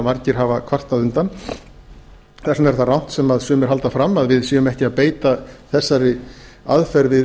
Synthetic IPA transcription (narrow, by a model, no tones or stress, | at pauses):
maɾcɪɾ̥ɦavakʰvar̥t̪aðʏnt̪an | θɛsnɛɾ̥θarawn̥t̪sɛmaðsʏːmɛɾ̥ɦalt̪afɾamːaðvɪðsiːɣʏmɛhcɪaðpeːjt̪aθɛsːaɾɪa̰ðfɛɾvɪ